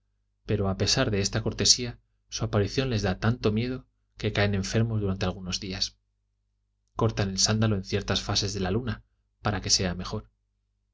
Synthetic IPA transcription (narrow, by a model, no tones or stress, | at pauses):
pe̞ɾo̞ape̞saɾðe̞est̪ako̞ɾt̪e̞sia | suapaɾiθjo̞nle̞zðat̪ant̪o̞mje̞ðo̞ | ke̞kaenẽ̞ɱfe̞ɾmo̞zðuɾant̪e̞alɣ̞uno̞zðias | ko̞ɾt̪ane̞lsand̪alo̞ẽ̞nθje̞ɾt̪asfase̞zðe̞laluna | paɾake̞se̞ame̞xo̞ɾ